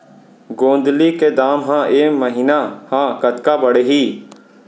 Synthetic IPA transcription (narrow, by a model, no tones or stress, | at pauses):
ɡõːnd̪likeːd̪aːmɦãːʔeːməɦiːnahãːkət̪kaːbəɽeːɦiː